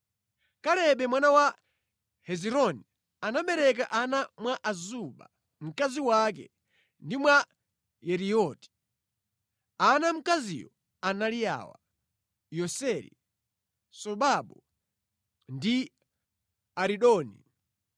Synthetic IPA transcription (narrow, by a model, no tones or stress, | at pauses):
kalɛɓɛmwanawa | hɛziɾɔni | anaɓɛɾɛk̬aʔanamwaʔazuɓa̰ | m̩kaziwak̬ɛ̰ | ndimwa | jɛɾijɔti̥ | anam̩kazḭjɔ | analija̰wa̰ | jɔsɛɾḭ | sɔɓaɓɔ | ndi | aɾiɗɔːnḭ